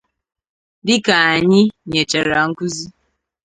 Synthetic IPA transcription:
dɪ˦ka˨a˨ɲɪ˦ɲe˨t͡ʃa˨ɾa˨ŋ̩˦ku˦zi˦

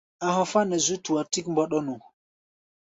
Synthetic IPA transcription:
a˨ɦɔ˨fa˦nɛ˨zu˦tu˨a˨ti˦kmbɔ˦ɗɔ˦nu˨

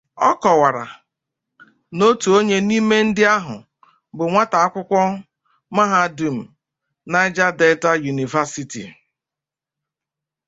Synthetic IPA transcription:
ɔ˦kɔ˨wa˨ɾa̰˨ | no˦tu˨o˦ɲe˦ni˦me˦n̩˦dɪ˦a˦ɦʊ̰˨ | bʊ˨ŋʷa˦ta˨a˦kʷʊ˦kʷɔ˦ | ma˦ɦa˦˨du˨m̩˨ | na˦ɪ˦d͡ʒa˦de˦ɪ˦ta˦ju˨ni˨va˦si˦tḭ˨

